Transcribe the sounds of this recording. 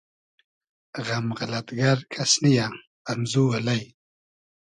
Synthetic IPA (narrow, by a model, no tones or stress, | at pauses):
ɣamɣalat̪ɡaɾkʰasnija | amzuwalaj